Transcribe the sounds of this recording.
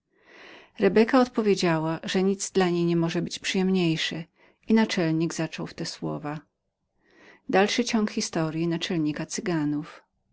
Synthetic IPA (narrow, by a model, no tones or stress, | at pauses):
ɾɛbɛkaɔt̪pɔvʲjed͡ʑawaʐɛɲid̪zd̪laɲejɲɛmɔʐɛbɘt͡ɕpʂɨjɛmɲejʂɛ | inat͡ʂɛlɲiɡzat͡ʂɔwft̪ɛswɔ̰va | d̪alʂɘt͡ɕɔŋkxʲist̪ɔɾʲjinat͡ʂɛlɲikat̪sɘɡanuf